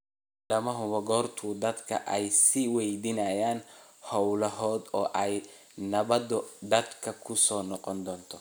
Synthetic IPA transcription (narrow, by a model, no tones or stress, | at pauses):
ɖɐmɐɦʊβɐɡɔːrt̪ʰʊd̪ɐd̪kʰɐ̰ʔɛjsiwɛjd̪ɪnɐjaːnhɔwlɐɦɔːd̪ɔːʔɛj | nɐβɐd̪ɔd̪ɐd̪kʰɐkʰʊsɔːnɔqɔnd̪ɔːnt̪ʰɔ